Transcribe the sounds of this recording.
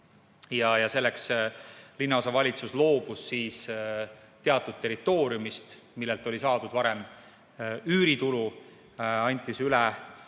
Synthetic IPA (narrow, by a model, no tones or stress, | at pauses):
jɑjɑse̞lːekslinːɑo̞sɑvɑlʲit̪suslo̞ːb̥usːiːs | t̪e̞ɑt̪ːˑud̪̥̚t̪ːe̞ɾit̪ːˑo̞ːɾjumist̪milːelt̪ˑo̞lʲisɑːd̪ud̪vɑɾem | yːɾit̪ulu | ɑnʲt̪ːˑisylɛ